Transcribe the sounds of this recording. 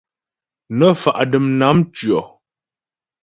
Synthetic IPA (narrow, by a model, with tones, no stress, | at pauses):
nə˦fa˨ʔdə˨mna˨˦mt͡ʃɥɔ˨